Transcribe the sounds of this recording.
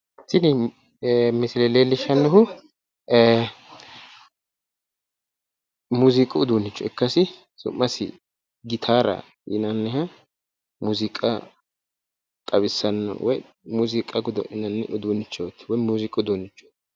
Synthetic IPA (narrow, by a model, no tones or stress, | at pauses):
sɪnɪ | mɪsɪleleːlːɪʃɐnːɔhʊ | muːzɪkʼʊʊd̪unːɪt͡ʃːɔɛkːɐsɪ | sʊ̰mːɐsɪ̰ | ɡɪt̪ʰaːɾɐ̰ | jɪnɐnːɛhɐ | muːzɪkʼɐ | k̪ʼɐβɪsːɐnːɔ̰wɔj | muːzɪkʼɐɡʊd̪ɔ̰ʔɪnɐnːɛʔʊd̪uːnːɪt͡ʃːot̪ːɪ̥wɔjmuːzɪkʼʊd̪unːɪt͡ʃːɔ̥